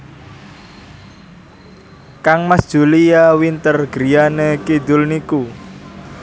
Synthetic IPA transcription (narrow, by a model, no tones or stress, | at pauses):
kaŋmasd̥ʒ̥ṳlijawint̪ərɡ̥ɾijanekid̪ʊlniku